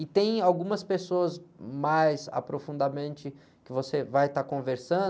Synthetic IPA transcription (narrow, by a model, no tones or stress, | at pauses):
ɪt̪ẽj̃awɡũmɐspesoɐzmajza̰pɾofũnd̪amẽnt͡ʃɪ | kɪvosevajt̪akõveɾsɐ̃